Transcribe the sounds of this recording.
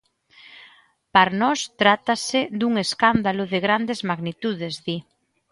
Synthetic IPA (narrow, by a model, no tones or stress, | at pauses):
paɾnɔst̪ɾat̪ased̪uŋeskand̪alʊðeɣɾand̪ezmaɣnit̪uð̞ezði